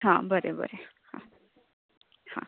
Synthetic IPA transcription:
hã̰bəɾebə̰ɾe | hã̰ | hã̰

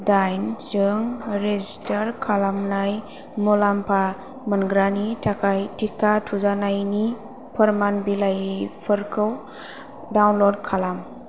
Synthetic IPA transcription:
dajnzɯŋɾezistəɾkʰalamnaj | mɔlampʰa | mənɡɾanitʰakʰajtʰikʰatʰuzanajni | pʰəɾmanbilajpʰɯɾkʰɯw | dawnlɔdkʰalam

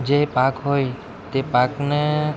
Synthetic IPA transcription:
d͡ʒepakɦoj | t̪epakne

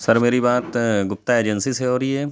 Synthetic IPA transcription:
sɐɾmeːɾibaːt̪ɡʊp̚t̪aeːd͡ʒənsiseoːɾie

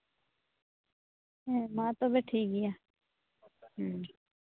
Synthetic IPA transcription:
ɛːmãːt̪oːbeʈʰiːk̚ɡɪjaː | ɦ

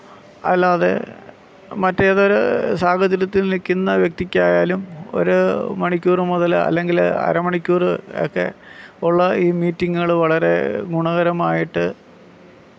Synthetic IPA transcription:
ɐ̰lːaːðḛ | mɐtːeɐðo̞ɾṵsaːɡɐt̪ɐɾɐt̪ːilnilkʲːunːɐʋjɐk̚t̪ikʲːaːjaːlumo̞̰ɾumɐɳikʲːuːrɨmoðɐlɐ̰lːe̞ŋɡilɐ̰ɾɐmɐɳikʲːuːrɨo̰kːe̞̰uɭːɐiːmiːtːiŋːɐɭʋɐɭɐɾe̞̰ɡuɳɐɣɐɾɐmaːjiʈːɨ

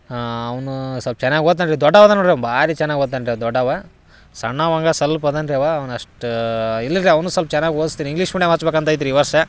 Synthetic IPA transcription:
ɐʋɐnusɐlp̚t͡ʃɛnːaːɡioːt̪̬ːaɳɖɾid̪ɔɖːɐʋɐd̪ɐnːoɳɖɾebaːɾit͡ʃɛnːaːɡoːdt̪ːɐɳɖɾeʋd̪ɔɖːɐʋa | sɐɳːaːʋɐŋɡɐsɐlpɐd̪ɐnɖɾeʋɐɐʋɐnɐʂʈilːɐd̪ɾiɐʋɐnusɐlp̚t͡ʃɛnːaːɡʲioːd̪st̪iːɾiŋɡliːʂmuɽjemɦɐt͡ʃbeːkɐnt̪aɐjt̪iɾiːʋɐɾʂɐ

